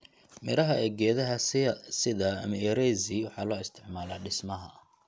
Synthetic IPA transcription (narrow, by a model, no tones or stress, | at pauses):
mɪɾɐɦɐɛːɡɛːðɐɦɐsɪðɐ̰ːmɐɛɾɛjziwɑħɑːlɔːɪst̪ʰɪʕmaːlaːɖɪsmɐɦɐ̰